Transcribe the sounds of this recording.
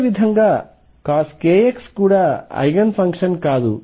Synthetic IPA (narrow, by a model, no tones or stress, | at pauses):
ʋid̪ʱɐŋɡaː | kaːskeːjekskuːɽaːɐ̰jɡɐnpʰɐŋkʂɐnkaːd̪ṵ